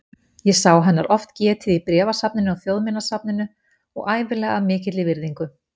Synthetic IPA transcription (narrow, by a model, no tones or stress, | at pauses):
jɛsaːwɦɛnːaɾʔɔft̪cɛːt̪ʰɪðipɾɛːvasapnɪnʏɔɣθjowðmɪnasap̚nɪnʏ | ɔ̰ɣaːjvɪlɛːɣamɪːcɪt̪lɪvɪɾðiŋkʏ